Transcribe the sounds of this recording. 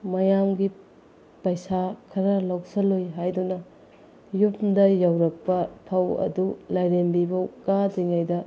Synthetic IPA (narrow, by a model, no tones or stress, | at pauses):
mɐjamɡi | pɐjsakʰɐɾɐlɐwsɐlojɦajdunɐ | jupdɐjawɾɐk̚pɐpʰɐwɐ̰dulɐjɾembibɐkadiŋajdɐ